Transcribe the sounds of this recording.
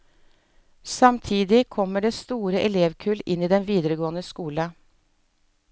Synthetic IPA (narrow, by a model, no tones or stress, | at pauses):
sɑmt̪ʰiːd̪ɪkʰɔmːəɖeːst̪uːɾəʔɛleːʋkʰʉlɪniːd̪ɛnʋiːd̪əɾəɡoːənəskuːlə